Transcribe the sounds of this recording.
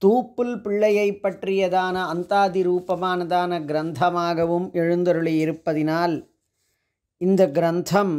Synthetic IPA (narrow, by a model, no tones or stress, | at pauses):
t̪uːpːulpɪɭːɐjɐjpːɐʈɾijɐd̪aːnɐɐnt̪aːd̪iɾuːpɐmaːnɐd̪aːnɐɡɾɐnt̪ʰɐmaːɡɐʋumeɻund̪ɐɾuɭiiɾɯpːɐðinaːl | ind̪ɐɡɾɐnt̪ʰɐm